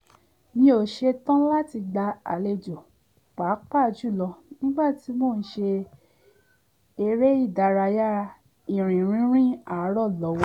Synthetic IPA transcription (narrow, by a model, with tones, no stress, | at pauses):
nĩ˧˦o˨ʃe˧tɔ̃˦la˦ti˧ɡ͡ba˧a̰˨le˧˨d͡ʒo˨ | k͡pa˨˦k͡pa˦˨˧d͡ʒu˦˨lɔ˧nĩ˦ɡ͡ba˦˨ti˨˧˦mo˦˨n̩˦ʃe˧ | e˧ɾe˦i˦˨da˧˨ɾa˧ja˦˧ | ĩ˨ɾ̃ĩ˨ɾ̃ĩ˦ɾ̃ĩ˦a˦˨˦ɾɔ˦˨lɔ˨˦wɔ˧˦